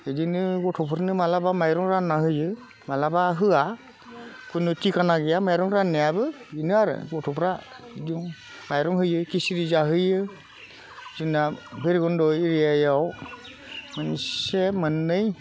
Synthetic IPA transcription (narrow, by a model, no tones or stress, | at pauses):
edinɯɡɔtʰɔpʰɯɾnɯmalabamajɾɔŋɾanːaɦɯjɯ | malabaɦɯa | pʰunɯtikʰanaɡejamajɾɔŋɾanːejabɯinɯaɾɯ̰ɡɔtʰɔpʰɾa | idiɔŋ | majɾɔŋɦɯjɯkisiɾizaɦɯjɯ | zɯnabʱɯɾiɡɔndɔiɾijajaw | mɯnsemɯnːɯj